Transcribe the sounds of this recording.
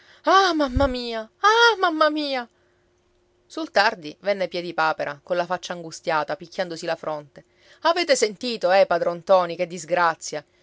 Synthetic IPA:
amamːamiːaamamːamiːa | sult̪ard̪ivɛnːepjɛd̪ipaːpeɾʔa̰konlafat͡ʃːaːŋɡust̪jaːt̪apikʲːand̪osilafɾont̪e | avɛːt̪esent̪iːt̪oɛpad̪ɾɔnt̪ɔːnik̟ed̪ːizɡɾat̪sːja

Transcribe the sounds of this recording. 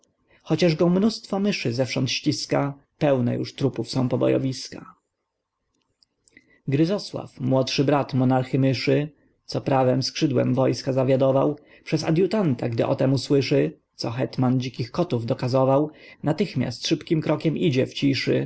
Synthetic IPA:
xɔt͡ɕaʐɡɔ̃mnust̪fɔmɘʂɘzɛfʂɔnt̪ɕt͡ɕiska | pɛwnɛ̰jṵʂt̪ɾupufsɔ̃w̃pɔbɔ̰jɔ̰vʲiska | ɡɾɘzɔswa̰fmwɔt̪ʂɘbɾat̪mɔnaɾxɘmɘʂɘ | t̪sɔpɾavɛmskʂɘd̪wɛ̰mvɔjskazavʲjad̪ɔvaw | pʂɛza̰d̪ʲjut̪ant̪aɡd̪ɘʔɔt̪ɛmuswɘʂɘt̪sɔxɛt̪mand͡ʑikʲixkɔt̪uvd̪ɔkazɔvawnat̪ɘxmʲja̰st̪ʂɘpkʲimkɾɔkʲɛmʔid͡ʑɛft͡ɕiʂɘ̰

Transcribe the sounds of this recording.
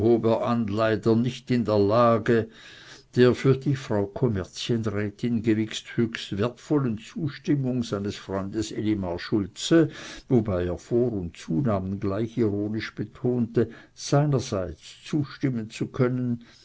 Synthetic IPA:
hoːbeɐʔanlaɪdɐnɪçtɪndeːɐlaːɡə | d̥eːɐfyːɐdiːfʁ̥aʊkʰɔmɛɐt͡sjənʁɛːtɪnɡəvɪksthøːçstveɐtfɔlənt͡suːʃtɪmʊŋz̥aɪnəsfʁ̥ɔʏndəselimaʃʊlt͡səvobaɪeːɐfoːʁʊntt͡suːnaːmənɡlaɪçiʁoːnɪʃb̥ətʰoːntəz̥aɪnɐzaɪt͡st͡suːʃtɪmənt͡sukʰœnən

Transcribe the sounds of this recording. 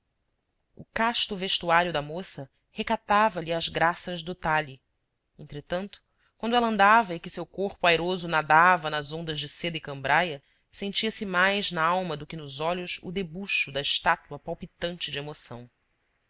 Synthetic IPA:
ʊkaʃt̪ʊveʃt̪uaɾiʊd̪ɐmosɐ | hekat̪avɐʎiɐzɡɾasɐʒd̪ʊt̪aʎi | ẽnt̪ɾet̪ɐ̃nt̪ʊ̥ | kw̃nd̪ʊɛlɐ̃nd̪avɐɪkɪsewkoɾpʊajɾozʊnad̪avɐnɐzõnd̪ɐzd͡ʒɪsed̪ɐɪkɐ̃mbɾajɐ | sẽnt͡ʃiɐsɪmajznɐawmɐd̪ʊkɪnʊzɔʎʊsʊ̰d̪ebuʃʊd̪ɐɪʃt̪at̪uɐpawpit̪ɐ̃nt͡ʃɪd͡ʒɪemosɐ̰̃w̃

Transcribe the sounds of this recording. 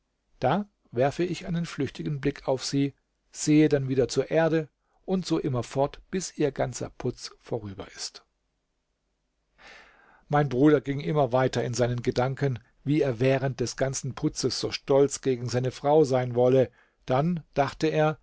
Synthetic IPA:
d̥aː | vɛɐfəɪçʔaɪnənflʏçtɪɡn̩blɪkʰaʊfz̥iː | z̥eːədanviːdɐt͡suːɐʔeːɐdə | ʔʊntz̥oːʔɪmɐfɔɐtb̥ɪsʔiːɐɡant͡sɐ̰pʰʊt͡sfoːʁyːbɐ̰ʔɪst | maɪnbʁuːɾɐɡɪŋʔɪmɐvaɪtɐɪnzaɪnənɡədaŋkən | viːeːɐvɛːʁənt̚d̥ɛsɡ̥ant͡sn̩pʰʊt͡səsz̥oːʃtɔlt͡sɡ̥eːɡŋ̩zaɪnəfʁ̥aʊzaɪnvɔlə | d̥and̥aχtəeːɐ

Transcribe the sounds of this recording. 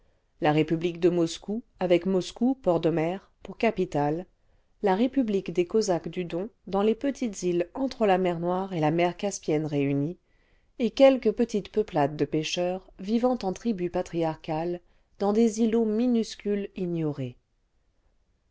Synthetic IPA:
laʁepyblikd̪əmɔskuavɛkmɔskupɔʁd̪ɔmɛʁpuʁkapit̪alː | aʁepyblikd̪ekɔzakd̪yd̪ɔ̃d̪ɑ̃lepət̪ʰit̪zilɑ̃t̪χəlamɛʁnwaʁelamɛʁkaspjɛnʁeyni | ekʲɛlkəpət̪it̪pəplad̪ːəpeʃœʁvivɑ̃t̪ɑ̃t̪χibypat̪χiaʁkal | d̪ɑ̃d̪ezilominyskʲylinjɔʁe

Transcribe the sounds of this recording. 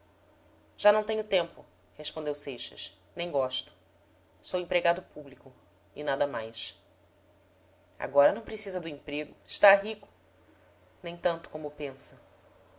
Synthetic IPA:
ʒ̥anɐ̃w̃t̪ẽɲʊt̪ẽmpʊ | heʃpõnd̪ewsejʃɐ̰s | nẽj̃ɡɔʃt̪ʊ̥ | sowẽpɾeɡad̪ʊpublikʊ | ɪ̰nad̪ɐmajs | a̰ɡɔɾɐnɐ̃w̃pɾesizɐd̪ʊẽpɾeɡʊɪʃt̪aɦikʊ̥ | nẽj̃t̪ɐ̃nt̪ʊ̥kõmʊpẽsɐ

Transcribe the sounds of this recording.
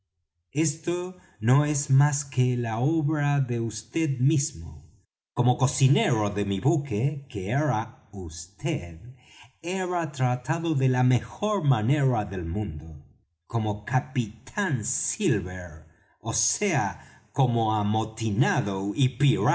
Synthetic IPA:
e̞st̪o | no̞ezmaskelaoβɾaðeust̪eðmizmo̰ | komoko̞sineɾoðemiβukekeeɾaust̪eð | eɾat̪ɾat̪aðoðelamexo̞ɾmane̞ɾaðelmũnd̪o | ko̞mokapit̪ʰansilβeɾ | osea | ko̞moamot̪inaðoipiɾa

